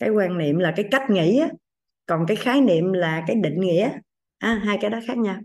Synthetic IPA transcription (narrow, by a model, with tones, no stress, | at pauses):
kaː˨˦jkwaː˧nnḭ˧˨əmlaː˨˩kaː˨˦jka˦˥jk̟̚ŋḭ˧˨ʔaː˨˦ | kɔ˨˩nkaː˨˦jxaː˨˦jnḭ˧˨əmlaː˨˩kaː˨˦jɗḭ˧˨ŋ̟ŋḭ˧˨ʔaː˦ | ʔaː˧ɦaː˧jkaː˨˦jɗɔ˨˦xaː˦˥k̚ɲaː˧w